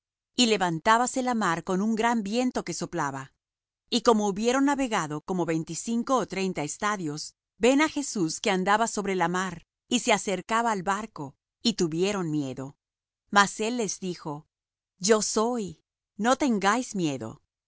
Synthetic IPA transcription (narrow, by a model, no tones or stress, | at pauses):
ile̞βant̪aβaselamaɾko̞nuŋɡɾambje̞nt̪o̞ke̞so̞plaβa | iko̞mo̞uβje̞ɾo̞nːaβe̞ɣaðo̞ko̞mo̞βe̞jnt̪isiŋko̞ːt̪ɾe̞jnt̪aest̪aðjo̞z | be̞naxe̞suske̞and̪aβaso̞βɾelamaɾ | ise̞ase̞ɾkaβaːlbaɾko̞ | it̪uβje̞ɾo̞nmje̞ðo̞ | mase̞lːe̞zðixo̞ | d͡ʒo̞so̞j | no̞t̪e̞ŋɡajzmje̞ðo̰